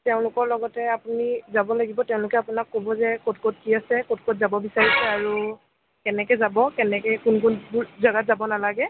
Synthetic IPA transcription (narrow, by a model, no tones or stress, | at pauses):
tɛʊ̃lʊkɔɹlɔɡɔtɛapunizabɔlaɡibɔtɛʊ̃lʊkɛapunakːobɔzɛkotkot̚kiasɛkotkotzabɔbisaɹisɛaɹu | kɛnɛkɛzabɔkɛnɛkɛkunkunbuzaɡatzabɔnalaɡɛ